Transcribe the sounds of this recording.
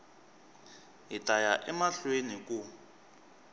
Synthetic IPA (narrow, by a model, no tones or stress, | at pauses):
ɦitʼajaʔɛmaɬwenikʼu